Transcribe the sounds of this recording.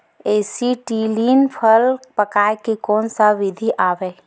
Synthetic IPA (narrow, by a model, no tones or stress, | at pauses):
eːsiʈiːliːnpʰəlpɐkaːjkekɔːnsaʋɪd̪ʱiʔaːʋe